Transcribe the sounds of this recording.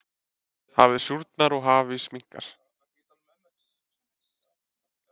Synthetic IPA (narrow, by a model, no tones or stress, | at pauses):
ha̰vðɪsjuɾt̪naɾɔɣɦaːvɪsmiŋ̥ka̰ɾ̥